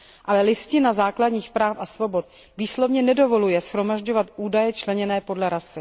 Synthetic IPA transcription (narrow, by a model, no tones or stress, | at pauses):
ʔalɛlɪscɪnazaːkladɲiːxpɾaːfʔasvo̞bo̞t̪̚ | viːslo̞vɲɛnɛdo̞vo̞lujɛsxɾo̞maʒɟo̞vat̪ʔuːdajɛt͡ʃlɛɲɛnɛːpo̞dlɛɾasɪ